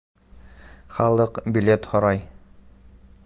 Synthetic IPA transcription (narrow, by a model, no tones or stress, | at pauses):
χɑlˠɤqbʲilʲet̪hɒɾɑj